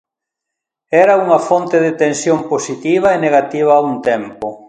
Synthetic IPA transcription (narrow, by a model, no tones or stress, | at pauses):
ɛɾɐuŋɐfont̪eðet̪ẽnsjomposit̪iβ̞ɐeneɣat̪iβ̞ɐːuŋt̪ɛmpʊ